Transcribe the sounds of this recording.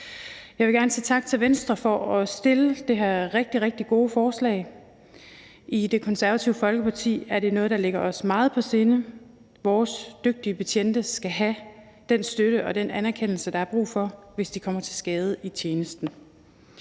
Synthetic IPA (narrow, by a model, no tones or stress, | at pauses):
jɑ̈ɪʋe̝ɡ̥æɐnəsḭːt͡sʰɑ̈ɡ̥̚t͡sʰe̝lʋensd̥ʁɐfɒɒ̽sd̥e̝ləd̥e̝ɦæɐʁeɡ̥̚d̥iʁeɡ̥̚d̥iɡ̥o̝ːfɒːslɛ̰ɪ | ʔid̥e̝kʰɒ̽nsæɐʋæt͡sʰiʊəfɒ̽lɡ̥əpʰɑ̈t͡sʰḭːæɐɾe̝nɔ̽ːð̞̩ˠd̥ɑ̈le̝ɡ̥ɐɒ̽smɑ̈ːð̞̩ˠpʰɒ̽se̝ːnə | ʋɒːsd̥øɡ̥̚d̥iəpʰæt͡ɕʰen̰d̥əsɡ̥æɦæ | d̥ensd̥øɾ̥əʔɒ̽d̥enænæɐkʰen̰l̩səd̥ɑ̈æɐb̥ʁṵːfɒ̽ʋe̝sd̥ikʰɒ̽m̰ɐt͡sʰe̝lsɡ̥ɛːð̞ˠəit͡ɕʰjeːnəsd̥n̩